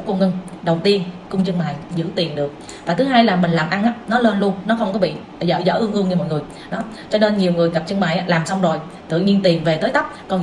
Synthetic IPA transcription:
kŋɨ˧ŋɗə˨˩wt̪i˧ənkʊ˧ŋ͡mt͡ɕɨ˧ŋɓaː˨˩jzɨ̰˧˥t̪i˨˩ənɗɨ˨˩ək̚ | vaː˨˩t̪ɨ˨˦ɦaː˧jlaː˨˩mï˨˩ŋ̟laː˨˩mʔa˧nʔaː˧˦nɔ˨˦ləː˧nlu˧ənnɔ˨˦xə˧wŋ͡mkɔ˨˦ɓḭ˧˨zə̰ː˧˨˦zə̰ː˧˥ʔɨ˧ŋʔɨ˧əŋɲɨ˧mɔ̰˧˨jŋɨ˨˩əj | ɗɔ˨˦ | t͡ɕɔ˧ne˧nɲi˨˩əwŋɨ˨˩əjɣə˨˩p̚t͡ɕɨ˧ŋɓaː˨˩jʔaː˨˦laː˨˩msa˧wŋ͡mzo˨˩j | t̪ɨ̰˧˨ɲi˧ənt̪i˨˩nve˨˩t̪əː˨˦jt̪ə˦˥p̚kɔ˧n

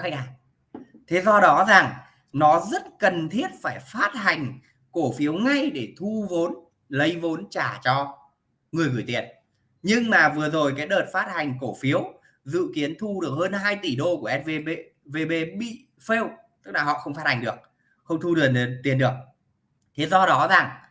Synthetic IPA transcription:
xjaː˨˩ | t̪ʰe˨˦zɔ˧ɗɔ˨˦zaː˨˩ŋ | nɔ˨˦zə˦˥t̚kə˨˩nt̪ʰi˦˥ət̚faː˧˩jfaː˦˥t̚ha˨˩jŋ̟ | ko˧˩fi˨˦əwŋa˧jɗe˧˩t̪ʰu˧vo˨˦n | lə˨˦jvo˨˦nt͡ɕaː˧˩t͡ɕɔ˧ | ŋɨ˨˩əjɣɨ˧˩jt̪ḭ˨˩ən | ɲɨ˧ŋmaː˨˩vɨ˨˩əzo˨˩jkaː˨˦jɗəː˨˩t̚faː˦˥t̚ha˨˩jŋ̟ko˧˩fi˨˦əw | zɨ̰˧˨ki˨˦ənt̪ʰu˧ɗɨ˨˩ək̚həː˧nɦaː˧jt̪i˧˩ɗo˧ku˧˩əʔɛ˦˥ve˧e˧ | ve˧ɓe˧ɓḭ˧˨ | fe˧w | t̪ɨ˦˥k̚laː˨˩ɦɔ̰˧˨xə˧wŋ͡mfaː˦˥t̚ha˨˩ŋ̟ɗɨ˨˩ək̚ | xə˧wŋ͡mt̪ʰu˧ɗɨ˨˩nt̪i˨˩ənɗɨ˨˩ək̚ | t̪ʰe˨˦zɔ˧ɗɔ˨˦za˨˩ŋ

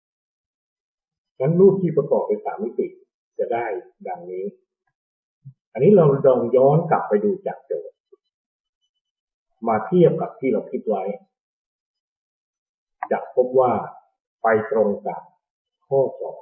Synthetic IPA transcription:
nʰa˦˥nluː˥˩t̚t̪ʰːiː˥˩pa˧kɔː˨˩k̚na˧jsa̰ː˩˦mːi˦˥t̪i˨˩ | t͡ɕa˨˩daː˥˩j | da˨˧˩ŋniː˦˥ | ʔa˧nːiː˦˥ɾa˧wdɔː˧ŋjɔː˦˥nkla˨˩pːa˧jduː˧t͡ɕaː˨˩k̚t͡ɕɤː˨˩t̪̚ | maː˧t̪ʰi˥˩əp̚ka˨˩p̚t̪ʰiː˥˩ɾa˧wkʰi˦˥t̪̚wa˦˥j | t͡ɕaː˨˩k̚pʰo˦˥p̚waː˥˩ | pa˧jt̪ɾo˧ŋt͡ɕaː˨˩k̚ | kʰːɔː˥˩sɔ̰ː˩˦

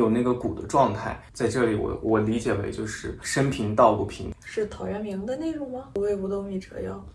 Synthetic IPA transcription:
o˨˩ʊna˥˩ɡə˩ku˨˩d̪ə̰˦ʈ͡ʂwɑ˥˧ŋt̪ʰa̰˥˩ɪt͡sa˥˧ɪʈ͡ʂɤ˥˩li˨˩wɔ̰˧˩wʔɔ˨˩li˧˥t͡ɕjɛ˨˩wḛ˧˥ɪt͡ɕjo˥˧ʊʂɻ̩˥˩ʂə˥npʰi˧˥ŋt̪ɑ˥˧ʊku˥˩pʰḭ˧˥ŋʂɻ̩˥˩t̪ʰɑ˨˩ʊɥɛ˧˥nmi˧˥ŋd̪ə˧ne˥˩ɪɻʊ˧˥ŋmɐ˧u˧˥we˥˧pu˧t̪o˥˧ŋi˥˩ʈ͡ʂɤ̰˧˥jɑ˥˩ʊ

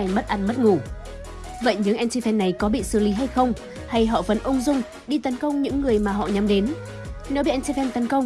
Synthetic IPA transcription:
jmə˦˥t̚ʔaː˧nmə˦˥t̚ŋu˧˩ | və̰˧˨jɲɨ̰˧˥ŋʔɛ˧nt͡ɕi˧fɛ˧nːa˨˩jkɔ˨˦ɓḭ˧˨sɨ˧˨˩li˨˦ɦa˧jxə˧wŋ͡m | ha˧jɦɔ̰˧˨və˨˦nʔə˧wŋ͡mzʊ˧ŋ͡m | ɗi˧t̪ə˨˦nkə˧wŋ͡mɲɨ̰˧˥ŋːɨ˨˩əjmaː˨˩ɦɔ̰˧˨ɲa˨˦mɗe˨˦n | ne˨˦wɓi˧˩ʔɛ˧nt͡ɕi˧fɛ˧nt̪ə˨˦nkə˧wŋ͡m

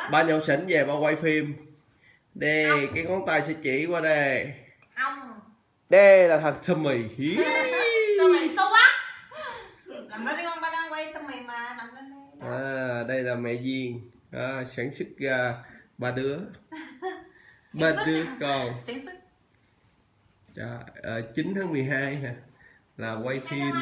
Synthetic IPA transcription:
ɓaː˧ɲə˧˩wsə˧˩ŋve˨˩ɓaː˧wa˧jfi˧əm | ɗe˧˩kaː˨˦jŋɔ˨˦nt̪aː˨˩jsɛ̰˧˥t͡ɕi˧˩kwaː˧ɗe˨˩˧ | ɗə˧laː˨˩t̪ʰa˨˩k̚t̪ʰə˧˩mːi˨˩jhi˨˦˧ | ə˧˦a˦˥˨ | ɔ˧˦nɓaː˧a˧wa˧jt̪ʰə˧mi˨˩jmaː˨˩laː˨˩mə˧˦˧ʔaː˨˧˩ɗə˧jlaː˨˩mɛ̰˧˨zi˨˩əŋ | ʔəː˧˩saː˧˦ŋsɨ˦˥k̚ɣaː˧˩ɓaː˧˩ɗɨ˨˦ə | ɓaː˧ɗɨ˨˦əkɔ˧˩saː˧˦ŋsɨ˦˥k̚ | t͡ɕa̰˧˩ʔəː˨˩t͡ɕi˨˦nt̪ʰaː˨˦ŋmɨ˨˩əjɦaː˧ja˨˩ | laː˨˩kwa˧jfʰi˧n

